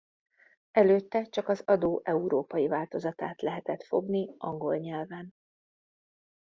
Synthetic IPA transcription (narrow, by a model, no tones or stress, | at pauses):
ɛløːt̪ːɛt͡ʃɒkɒzɒd̪oːʔɛuɾoːpɒjivaːlt̪o̞zɒt̪a̰ːt̪lɛɦɛt̪ɛt̪fo̞̰ɡniʔɒŋɡo̞lɲɛlvɛn